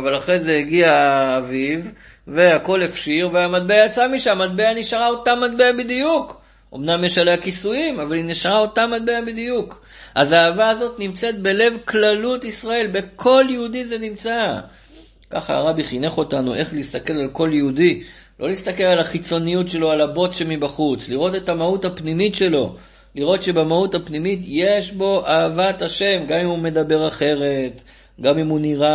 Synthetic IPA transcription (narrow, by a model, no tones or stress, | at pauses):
avalaχʁezeiɡiaːvivː | e̞ako̞lefʃiʁveamat̪̚beajat͡samiʃamat̪̚beaniʃaʁao̞tamad̪̚beabid̪ijuk | ʔo̞̰mnamjeʃaleakisuimavalineʃaʁao̞tamad̪̚beabid̪ijuk | ʔazaːvaːzo̞t̪nimt͡se̞t̪̚be̞le̞vklalut̪isʁae̞lbe̞kʰo̞ljeud̪ize̞nimt͡sa | ka̰χaa̰ʁabiχine̞χo̞tanṵʔe̞χliist̪ake̞lalko̞ljeudi | lʔo̞̰list̪ake̞lalaχit͡so̞nijutʃe̞lo̞alabo̞tʃemibaχut͡sliʁo̞te̞tamautapnimitʃe̞lo̞̰ | liʁo̞tʃe̞bemautapnimitje̞ʃbo̞ʔaːvataʃe̞mɡamimume̞d̪abe̞ʁaχe̞ʁe̞t | ɡamimuniʁa